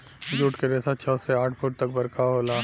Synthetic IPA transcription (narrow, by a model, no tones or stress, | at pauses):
d͡ʒuːʈkeɾɛːsat͡ʃʰɔseaːʈʰfuːʈ̚t̪ɐk̚bɐɾkaɦoːlaː